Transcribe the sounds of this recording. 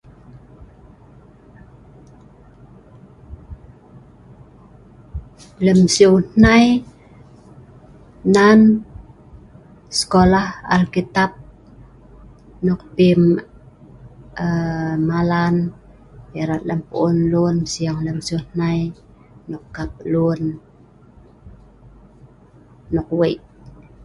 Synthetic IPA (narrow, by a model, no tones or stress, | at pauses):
ləmsiuwnaj | nan | sə̥kolaha̰lkit̪ap̚ | nɔk̚pim | əmːalan | iɾat̪̚ləmpuʔunlunsiaŋləmsiunaj | nukːap̚lun | ɔk̚weʔ